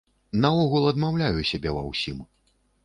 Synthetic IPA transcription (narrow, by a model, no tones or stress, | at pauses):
naɔɣulˠɐd̪mawlʲajusʲabʲɛvɐ̰wsʲim